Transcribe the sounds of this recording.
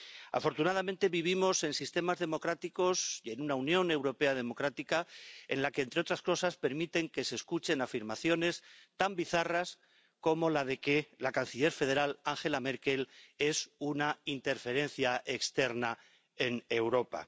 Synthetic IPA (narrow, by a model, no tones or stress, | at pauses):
a̰fo̞ɾt̪unaðament̪e̞βiβ̞imo̞se̞nsist̪e̞mazðe̞mo̞kɾat̪iko̞sje̞nunaunjo̞ne̞wɾo̞pe̞að̞e̞mo̞kɾat̪ikae̞̰nlake̞eːnt̪ɾe̞o̞t̪ɾasko̞saspe̞ɾmit̪e̞ŋke̞se̞ːskut͡ʃe̞nafiɾmaθjo̞ne̞st̪ambiθaras | ko̞mo̞laðe̞ke̞lakan̟θiʎe̞ɾfe̞ð̞e̞ɾalaŋxe̞lame̞ɾke̞le̞sunaint̪e̞ɾfe̞ɾe̞n̟θjaʔe̞kst̪e̞ɾna | e̞ne̞wɾo̞pa̰